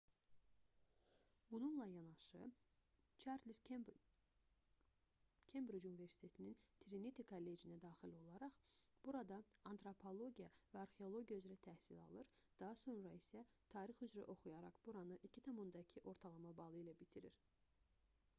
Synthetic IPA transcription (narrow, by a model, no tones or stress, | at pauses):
bununlˠɑjɑnɑʃɯ | t͡ʃʰɑɾd̪lis | kʰembɾud͡ʒunive̞ɾsi̥t̪ʰe̞t̪ʰinint̪ʰiɾinit̪ʰikʰɑlːe̞d͡ʒinæd̪ɑːχilo̞lˠɑɾɑχb̥uɾɑd̪ɑɑnt̪ɾopʰo̞lˠo̞ɟijɑvæɑɾχeo̞lˠo̞ɟijayzɾæt̪ʰæhsilɑ̰lˠɯɾd̪̥ɑɦɑso̞nɾɑisæt̪ʰɑːɾixyzɾæ̰ʔo̞χujɑɾɑχb̥uɾɑnɯʔicʰit̪ʰɑmund̪ɑcʰiʔo̞ɾt̪ʰɑlˠɑmɑbɑlˠɯilæbit̪ʰiɾiɾ